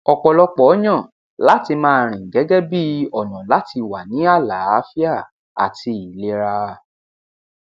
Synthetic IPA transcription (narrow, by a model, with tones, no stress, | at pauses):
ɔ˨k͡pɔ˨lɔ˧k͡pɔ˨ɔ˦j̃ã˦˨ | la˦ti˧mãː˦ɾ̃ĩ˨ɡɛ˨˦ɡɛ˦bi˦ɔ˨jɔ̃˨la˦tʰi˧wa˨nĩ˨˦a˦˨la˨˦a˦fi˦a˦˨ | a̰˨ti˧i˨le˦ɾa˧